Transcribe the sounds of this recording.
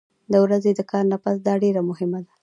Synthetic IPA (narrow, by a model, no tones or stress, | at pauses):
d̪əwɾazed̪əkʰɑɾnapasd̪ɑɖeɾamʊhɪmad̪a